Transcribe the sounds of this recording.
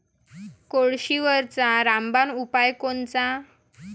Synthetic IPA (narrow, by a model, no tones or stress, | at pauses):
koɭɕiʋəɾt͡saɾãmbanupajkont͡sa